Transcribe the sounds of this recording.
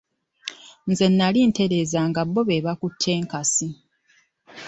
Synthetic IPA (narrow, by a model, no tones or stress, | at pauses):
nze̞nːalinte̞ɾe̞ːzaŋɡabːo̞βe̞βakutʰːe̞ːŋkasi